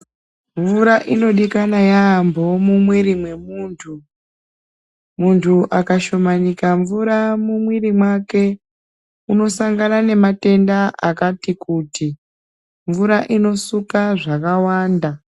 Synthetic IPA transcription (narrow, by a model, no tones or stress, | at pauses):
ɱvuɾaʔino̞ɗikanajambo̞mumwiɾimwe̞muːntʰu | muntʰuʔakaʃo̞maɲikaɱvuɾamumwiɾimwake̞ | uno̞saŋɡanane̞mate̞ndaʔakatikuti | ɱvuɾaʔino̞sukaʐakawaːnda